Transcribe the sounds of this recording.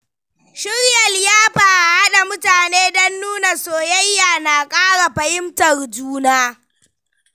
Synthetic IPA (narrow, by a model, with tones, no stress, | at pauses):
ʃɪ˦ɽjɐ˨ljaː˦ɸaː˨ʔa˨ha˦ɗa˨mʊ˦taː˨neː˦dɐ˦nːuː˦na˨soː˨jɐ˦jːaː˨naː˨kʼaː˦ɽa˨ɸɐ˨hɪ˦mtɐ˨rd͡ʒuː˦naː˦